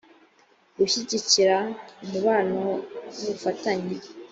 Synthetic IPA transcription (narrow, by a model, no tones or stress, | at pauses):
ɡuʃiɟiciɾamuβaːnoβufataɲi